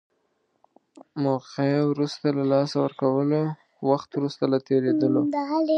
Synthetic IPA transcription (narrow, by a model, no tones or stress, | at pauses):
moqewɾust̪alalɑsawəɾkawəlo | waxt̪wɾust̪alat̪eɾed̪əlod̪əɦal